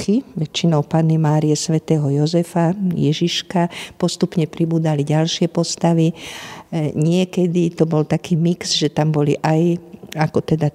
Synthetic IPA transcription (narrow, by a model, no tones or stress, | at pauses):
xiʋɛt͡ʃːinɔʊpanːimaːɾijɛsʋɛt̪ɛːɦɔjɔzɛfajɛʒiʃkapɔst̪upɲɛpɾibuːd͡zaliɟalʃɪɛpɔst̪aʋi | ɲɪɛkɛd̪it̪ɔbɔlt̪akiːmiksʒɛt̪ambɔliʔajakɔt̪ɛd̪a